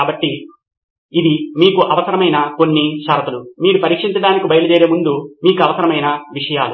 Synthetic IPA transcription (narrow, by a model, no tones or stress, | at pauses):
aːbɐʈːi | id̪imiːkuʔɐʋɐsɐɾɐmɐjnɐko̞nːiʃɐːɾɐt̪ɐlumiːɾupɐɾiːkʂiɲt͡ʃɐɖaːnikibɐjɐlud͡ʒeːɾeːmund̪umiːkuɐʋɐsɐɾɐmɐjnɐʋiʂɐjaːlu